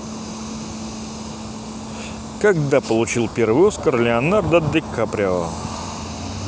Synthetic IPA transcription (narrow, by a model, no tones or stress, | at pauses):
kɐɡd̪apəlˠʊt͡ɕilˠpʲervɨjuskərlʲɪɐnard̪ɐd̪ɪkːapɾʲaə̰